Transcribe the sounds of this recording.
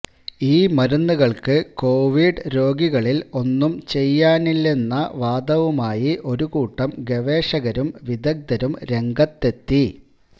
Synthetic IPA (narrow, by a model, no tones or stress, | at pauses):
iːmɐɾunːuɣɐɭkɨko̞ːʋiɖɾo̞ːɡiɣɐɭilo̞nːumt͡ɕe̞jːaːnilːe̞nːɐʋaːd̪ɐʋumaːjiʔo̞ɾukuːʈːɐmɡe̞ʋe̞ːʂɐɣɐɾumʋid̪ɐɡ̚d̪ɐɾumɾe̞ŋɡɐt̪ːe̞t̪ːi